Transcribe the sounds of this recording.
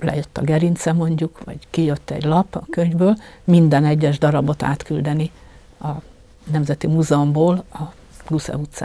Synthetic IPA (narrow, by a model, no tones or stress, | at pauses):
lɛ̰jøt̪ːɒɡɛɾint̪sɛmo̞ɲɟukʋɒ̰ɟkijøt̪ːɛ̰ɟlɒpːɒkø̞ɲvbøːlmind̪ɛnɛɟːɛʒd̪ɒɾɒbo̞t̪a̰ːt̪kyld̪ɛni | ɒ | nɛmzɛt̪imuːzɛomboːlɒ | ɡusɛ̰ut̪sa̰ː